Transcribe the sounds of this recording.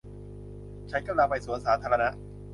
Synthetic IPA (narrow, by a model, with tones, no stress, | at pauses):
t͡ɕʰa˦˥nka˧˩la˧˩pa˧˩jsu˨˩˦ənsaː˩˦t̪ʰaː˧ɾa˧na˦˥ʔ